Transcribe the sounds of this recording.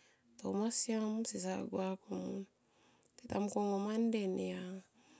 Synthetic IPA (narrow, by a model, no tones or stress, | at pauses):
tomasiamsisaɡwakomun | titamkoŋomandenija